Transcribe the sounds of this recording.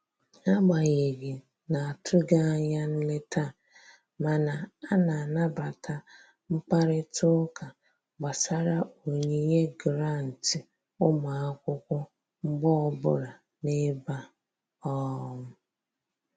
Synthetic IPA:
a˦ɡ͡ba˨ɣe˨ɡɪ˨ | na˨a˨tʰʊ˦ɡa˦a˦ɲa˦n̩˦le˦tʰa˦˨ | ma˨na˨a˦na˨a˨na˦ba˨ta˦ | ŋ͡m̩˦k͡pa˦ɾɪ˦tʊ˦kʰa˨ | ɡ͡ba˨sa˦ɾa˦o˨ɲe˦ɲe˦ɡɾa˦˨n̩˨tɪ˨ | ʊ˦ma˨a˦kʷʊ˦kʷʊ˦ | ŋ͡m̩˦ɡ͡bɔ˦ɔ˦bʊ˦ɾa˨ | ne˦ba˦ | ɔ˦mʊ˦

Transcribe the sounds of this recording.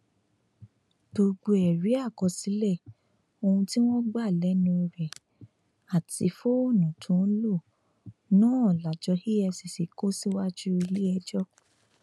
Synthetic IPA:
b̥o˧ɡ͡bo˧ɛ˨ɾi˨˦a˦˨kɔ˧si˨˦lɛ˦˨ | o˧hũ˧ti˦w̃ɔ̃˦ɡ͡ba˦˨lɛ˨˦nũ˧ɾɛ˨ | a˨ti˧˦fo˦o˦˨nũ˨tʰũ˨˦lo˦˨ | nãː˦ɔ˦˨la˨d͡ʒɔ˧hi˦ɛ˧si˨si˨ko˦si˦wa˦d͡ʒu˦i˧le˦ɛ˧d͡ʒɔ˦

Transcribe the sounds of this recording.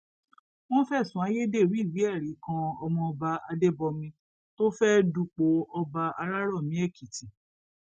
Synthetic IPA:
wɔ̃˦fɛ˦˨sũ˨˦a˨˧je˦de˦˨ɾi˦˨wi˨˦ɛ˦˨ɾi˨˦kã˧ɔ˧mɔ̃˧ɔ˧ba˧a˧de˦bɔ˧mĩ˧ | to˦fɛ˦du˦˨k͡po˨˦ɔ˧ba˧a˧ɾa˦ɾɔ˦˨mĩ˨˦ɛ˦˨ki˨ti˨

